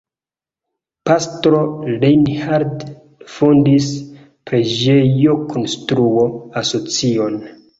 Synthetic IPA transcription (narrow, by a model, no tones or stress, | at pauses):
pastɾo̞lejnhaɾd | fondis | pɾe̞d͡ʒejokʰonstɾuoaso̞t͡sio̞n